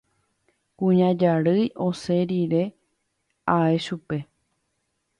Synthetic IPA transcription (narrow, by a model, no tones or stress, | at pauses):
kũɲãd͡ʒaɾɨjo̞se̞ɾiɾe̞ | ae̞ʃupe̞